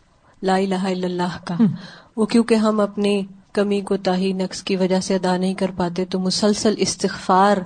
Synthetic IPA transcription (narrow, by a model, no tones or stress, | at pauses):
laːɪlaːɦaɪlːəlːaːɦkaːʋoːkjõːkeɦɐmɐpnikɐmikot̪aːɦinɐkskiʋɐd͡ʒaseɐd̪aːnɐɦĩkɐɾpaːt̪et̪omʊsəlsəlɪst̪ɪxfaːɾ